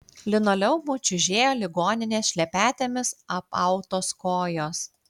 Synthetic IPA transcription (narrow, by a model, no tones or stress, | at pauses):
lʲɪnoːlʲɛʊmʊt͡ʃʲʊʒʲeːjoːlʲɪɡoːnʲɪnʲeːsʃʲlʲɛpʲæːt̪ʲeːmʲɪsɐpɐʊt̪oːskoːjoːs